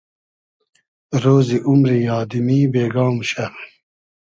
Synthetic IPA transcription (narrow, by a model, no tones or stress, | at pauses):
ɾoːziʔumɾijɑːd̪imiːbeːɡɑːmɕɐi